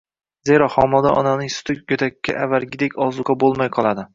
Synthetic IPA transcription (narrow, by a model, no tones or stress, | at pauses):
ze̞ɾaχɒmɒd̪aʔɒ̰nanɪŋsʊ̥t̪ʰɪkjot̪ʰakʲʰːa̰ʔavalɡʲɪd̪ekʲʰɒzʊqɑbolˠmajqʰɒlˠad̪ɪ